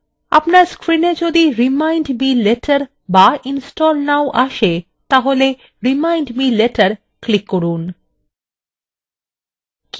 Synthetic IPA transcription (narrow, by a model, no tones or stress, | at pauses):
a̰pnaɾskɾined͡ʑod̪iɾimajɳɖmileʈʰəɾ | bainsʈɔlnawʔaʃe | t̪aɦole | ɾimajnɖmileʈəɾ | klikːoɾun | k